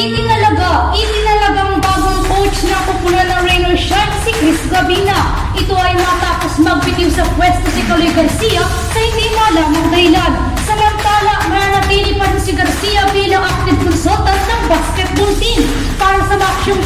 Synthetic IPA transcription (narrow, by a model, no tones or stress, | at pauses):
it̪ɪɐlɐɡaʔit̪ɪnɐlɐɡaŋbaːɡʊŋkot͡ʃnɐpʊpʊlɐnɐŋɾɛjnojʃansɪkɾɪsɡɐbiːnɐ | ʔɪt̪oʔɐjmɐt̪aːposmɐɡ̚pɪt̪iwsɐkwɛst̪osɪkɐlojɡɐɾsijɐ | sɐhɪnd̪imaːlaːmɐŋd̪ɐhɪlan | sɐmɐnt̪aːlɐʔɐŋnanɐt̪iːlɪpɐd̪ɐsɪɡɐɾsijɐbiːlɐŋʔɐp̚t̪ɪd̪̚kʊnsot̪ɐnsɐŋbaskɛt̪̚bʊnt̪in | paːɾɐsɐmɐɐkʃoŋ